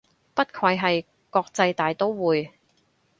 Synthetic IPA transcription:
pɐ˥t̚kʰwɐ˧jɦɐ˨j | kɔː˧k̚t͡sɐ˧jt̪aː˨jt̪o˥wwuː˨j

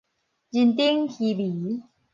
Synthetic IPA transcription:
d͡ʑi˧nt̪i˦˥ŋxi˧bi˨˩˦

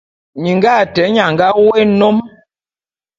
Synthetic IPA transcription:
ɲi˨ŋɡa˦˨tɛ˨˦ɲa˨ŋɡa˦we˦no˦m

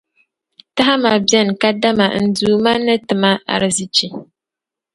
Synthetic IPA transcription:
ta˦ɦa˦ma˨bjɛ˦n˨ka˦da˦ma̰˨n̩˦duː˦ma˦nɨ˦tɨ˨ma˦a̰˨ɾɨ˨zɨ˦t͡ʃi˨

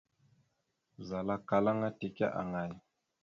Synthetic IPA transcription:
za˨la˦ka˨la˦ŋa˦ti˨ka̰˦ʔa̰˨ŋa˨j

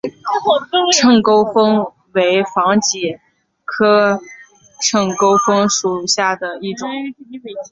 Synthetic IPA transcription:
ʈ͡ʂʰɤ˥˩ŋko˥ʊfɤ˥ŋ | we˧˥ɪfɑ˧˥ŋt͡ɕi˨˩ | kʰɤ˥ | ʈ͡ʂʰɤ˥˩ŋko˥ʊfɤ˥ŋʂu˨˩ɕja˥˩d̪ə˩i˥˩ʈ͡ʂʊ˨˩˦ŋ

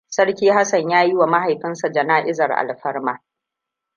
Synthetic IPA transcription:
sɐ˦ɽkʲiː˦ɦa˦sɐ˨ɲjaː˦ji˦wa˨ma˦ha˨jɸɪ˦nsa˨d͡ʒɐ˨naː˦ʔɪ˦zɐ˨rʔa̰˨lɸɐ˦rmaː˦

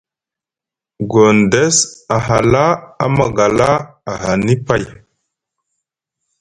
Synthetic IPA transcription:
ɡo˨nde˦sa˨ɦa˨la˦a̰˦ma˨ɡa˨la˦a˨ɦa˨ni˦pa˦˨j

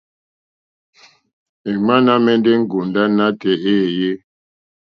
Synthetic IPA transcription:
e˨ma˦na˦mɛ˦nde˦ŋ̩˦ɡu˨nda˦na˦tɛ˨e˦˨je˦

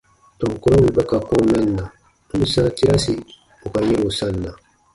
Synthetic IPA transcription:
tɔ̃˨ŋ˨kɔ˦ɾɔ˦mi˨bɛ˦ka˨kɔ̃˦nã˦n̩˨na˨ | u˦u˦sã˦ti˦ɾa˦si˨ | o˨ka˨ɲe˦ɾo˨sã˦n̩˨na˨

